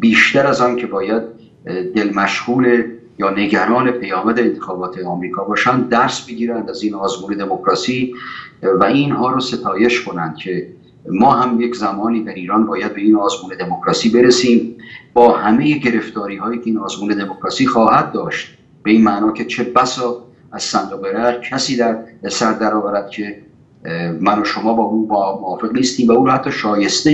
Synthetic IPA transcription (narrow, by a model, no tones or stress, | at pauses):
biːʃt̪æɾæzɒːncʰe̞bɒːjæd̪̚ | d̪e̞lmæʃhuːle | jɒːne̞ɡæɾɒːne̞pʰejɒːmæd̪eent̪ʰe̞xɒːbɒːt̪ʰeɒmɾiːkʰɒːbɒːʃænd̪̚ːæɾsbe̞ɡiːɾænd̪æzinɒːzmuːne̞d̪e̞mokɾɒːsiː | væinɦɒːɾose̞t̪ʰɒːje̞ʃkʰo̞nænd̪̥̚cʰe̞ | mɒːɦæmje̞kzæmɒːniːd̪æɾiːɾɒːnbɒːjæd̪̚be̞iːnɒːzmuːne̞d̪e̞mokɾɒːsiːbe̞ɾesiːmbɒːhæme̞jeɟe̞ɾe̞ft̪ɒːɾiːɦɒːjiːcʰeinɒːzmuːne̞d̪e̞mokʰɾɒːsiːxɒːhæd̪̚ːɒːʃt̪̚ | b̥e̞iːnmæʔnɒːcʰe̞t͡ʃʰe̞bæsɒː | æz̥sænd̪oɣeɾæɾcʰæsiːd̪æɾsæɾd̪æɾɒːvæɾæd̪̥̚cʰe̞ | mænoʃo̞mɒːbɒːuːmmoɒːfe̞ɣniːst̪iːmvæuːnhæt̪ʰːɒːʃɒːje̞st̪e